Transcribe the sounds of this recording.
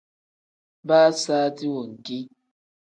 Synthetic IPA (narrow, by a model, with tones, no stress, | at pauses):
baː˦saː˦ti˦wo˨ŋ̩˨ki˦